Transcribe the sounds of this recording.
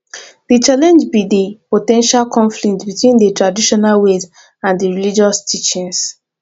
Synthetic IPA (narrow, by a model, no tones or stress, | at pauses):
ðit͡ʃalɛ̃nd͡ʒbidepotɛ̃nʃalkʰɔ̃nflik̚tbitwĩndətɹadiʃɔnalwez | ãndəɹilid͡ʒɔstʰit͡ʃĩns